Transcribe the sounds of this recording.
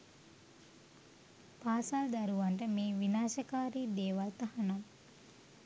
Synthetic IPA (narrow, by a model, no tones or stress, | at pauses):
paːsald̪ɐɾuʋɐɳʈəmiːʋinaːʃɐkaːɾiːd̪eːʋalt̪ɐhɐnam